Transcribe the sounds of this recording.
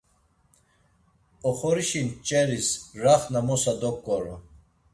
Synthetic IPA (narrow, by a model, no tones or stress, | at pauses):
ɔχɔɾiʃint͡ʃʼɛɾisraχnamɔsad̪ɔkʼːɔɾɔ